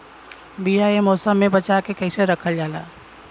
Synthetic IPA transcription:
bijaemɔːsəmːẽbɐt͡ʃakekɛɪseɾɐkʰəld͡ʒaːlaː

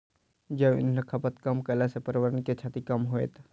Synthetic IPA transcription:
d͡ʒəbɪ̰nlɐkʰːapət̪kɐmkəlasepəɾɪʋəɾənket͡ʃʰaːt̪ikɐmɦoḛt̪ʰ

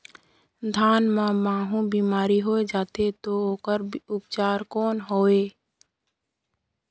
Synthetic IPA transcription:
d̪ʱaːnmãmãːɦũbiːmaːɾiɦoːed͡ʒaːt̪et̪ooːkəɾʊpt͡ʃaːɾkoːnɦoːeː

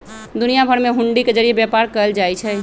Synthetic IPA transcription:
d̪unijabʱəɾmeɦuɳɖiked͡ʒəɾijebjapaɾkəəld͡ʒajt͡ʃʰɛ

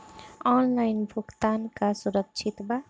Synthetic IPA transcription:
ɔnlajnbʱuɡt̪ankasuɾʌk̚t͡ʃʰit̪ba

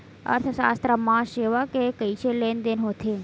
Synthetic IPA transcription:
ə̰ɾt̪ʰəʃa̰st̪ɾəmãʃeʋakekəit͡ʃelend̪enɦot̪ʰe

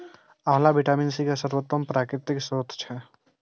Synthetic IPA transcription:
aɦlabʱiʈaminsikesəɾbot̪ːəmpɾaːkɾɪt̪iksoːt̪ʰt͡ʃʰɛ

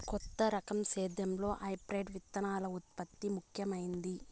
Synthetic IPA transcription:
kɔt̪ːɐɾɐkɐmseːd̪jɐmlo̞ːʔɐjpɾeːɖʋit̪ːɐnaːlɐut̪̚pɐt̪ːimukʰjɐmɐjind̪i

